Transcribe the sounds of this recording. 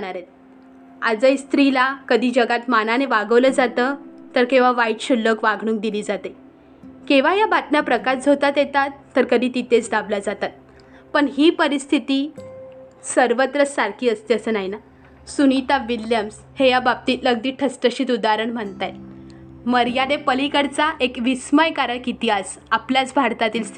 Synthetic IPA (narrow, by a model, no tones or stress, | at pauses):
ɽaɾet̪̚ | ad͡zəjst̪ɾilakəd̪ʱiːd͡ʑəɡat̪mananeʋaɡəʋləd͡zat̪ət̪əɾkĩʋ̤aʋaiʈɕulːəkʋaɡʱɳ̃ũːŋk̚d̪iliːd͡zat̪e | kiʋ̤ajabat̪njapɾəkaɾd͡zʱot̪at̪jet̪at̪ːəɾkəd̪ʱiːt̪it̪et͡sdablad͡zat̪at̪̚ | pəɳɦiːpəɾist̪ʰit̪iː | səɾʋət̪ɾəssaɾkʰiːəst̪iəsənaɦina | sunit̪aʋiljəms | hejabab̚t̪iːt̪ləɡd̪iːʈʰəsʈəɕiːt̪ud̪aɾəɳm̤əɳt̪ajt̪məɾjanepəlikəɾt͡saʔekʋisməjkaɾəɳkit̪ias | apljat͡sbʱaɾt̪at̪iːls